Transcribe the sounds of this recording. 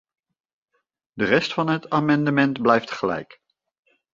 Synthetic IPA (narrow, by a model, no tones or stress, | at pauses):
dərɛstfɑnɦətʰaːmɑndəmɛntblɛjftχəlɛ̰jk